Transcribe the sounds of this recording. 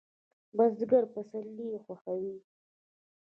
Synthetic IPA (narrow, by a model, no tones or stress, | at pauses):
bazd̪ɡaɾpasalːixwaxawi